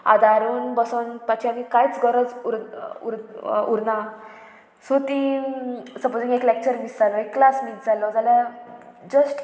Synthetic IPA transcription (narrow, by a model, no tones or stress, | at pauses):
a̰d̪aɾuːnbəsonpat͡ɕʰiamikajt͡sɡɔɾəd͡zuɾṵɾuɾnã | sot̪ĩ | səpod͡zĩŋɡeklek̚t͡ɕəɾmisd͡zalɔekːlasmiːt̪̚d͡zʱalɔd͡zala | d͡ʑəsʈ